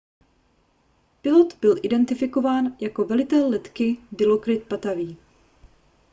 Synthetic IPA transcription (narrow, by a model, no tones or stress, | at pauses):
pɪlo̞t̪bɪlʔɪdɛnt̪ɪfɪko̞vaːnjako̞vɛlɪt̪ɛlːɛt̪kɪdɪlo̞kɾɪt̪̚pat̪aviː